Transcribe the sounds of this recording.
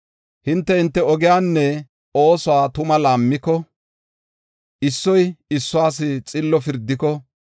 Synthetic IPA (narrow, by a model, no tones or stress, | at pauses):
hɪnt̪ːɛhɪnt̪ːɛɔɡɪjaːnːɛ | o̞ːsʊwaːt̪ʊmɐlaːmːɪkɔ | ɪsːɔjɪsːʊaːs̬ɪt͡sʼɪlːɔfɪɾd̪ːɪkɔ